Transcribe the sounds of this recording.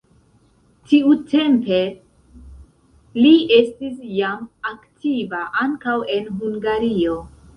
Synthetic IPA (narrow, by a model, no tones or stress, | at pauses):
tiute̞mpe̞ | lie̞stisjamaktʰivaʔaŋkawe̞nɦuŋɡaɾio̞